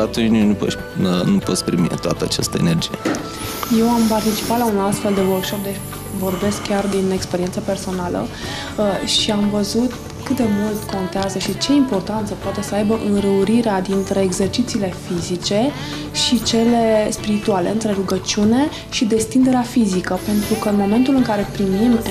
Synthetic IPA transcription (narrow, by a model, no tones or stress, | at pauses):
at̪unt͡ʃnunupo̰ | nupot̪spɾimiḛt̪oa̰t̪əa̰t͡ʃast̪əene̞rd͡ʒije | je̞wampart̪it͡ʃi̥pat̪launast̪fe̞ld̪e̞wərkʃo̞p̚d̪et͡ʃʲ | vo̞rbe̞skkːʲard̪ine̞kspe̞ɾiensəpe̞rso̞nalə̰ | əʃiamvəzut̪ | kɨt̪̚d̪emult̪kʰo̞nt̪eazəʃit͡ʃe̞impo̞rt̪ant̪səpoat̪e̞səajbəʔɨnɾəuɾiɾead̪int̪ɾe̞ːɡze̞rt͡ʃit̪siːle̞fizit͡ʃe̞ | ʃit͡ʃe̞le̞spiɾit̪uale̞ɨnt̪ɾe̞ɾuɡət͡ʃiune̞ | ʃid̪e̞st̪ind̪e̞ɾeafizikəpe̞nt̪ɾukənmo̞me̞nt̪ulɨŋkaɾe̞pɾimim